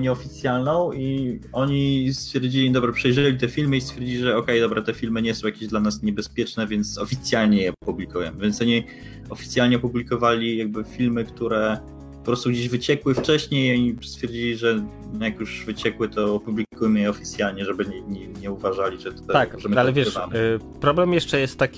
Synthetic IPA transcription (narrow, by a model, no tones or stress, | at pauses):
ɲɛɔfʲit̪sʲjalnɔ̃w̃iɔɲist̪fʲjɛɾd͡ʑilʲid̪ɔbɾapʂɛjʐɛlʲit̪ɛfʲilmɘist̪fʲjɛɾd͡ʑilʲiʐɛɔkɛjd̪ɔbɾat̪ɛfʲilmɘɲɛsɔ̃w̃jakʲeʑd̪lanasɲɛbɛspʲjɛt͡ʂnɛvʲjɛnt̪sɔfʲit̪sʲjalɲɛjɛɔpublʲikujɛ̰mvʲjɛnt̪sɔɲi | ɔfʲi̥t̪sʲjalɲɛɔpublʲikɔvalʲijaɡ̚bɘfʲilmɘkt̪uɾɛ | pɔpɾɔst̪uɡd͡ʑiʑvɘt͡ɕɛkwɘft͡ʂɛɕɲejɔɲist̪fʲjɛɾd͡ʑilʲiʐɛ | njakjuʐvɘt͡ɕɛkwɘt̪ɔːpublʲikujmɘjɛɔfʲi̥t̪sʲjalɲɛʐɛbɘɲɛɲɛɲɛuvaʐalʲit͡ʂɨt̪ɔ̥t̪aaɔʐɛmallɛvjɛvamɛ | pɾɔblɛmjɛʂt͡ʂɛjɛst̪ːakʲi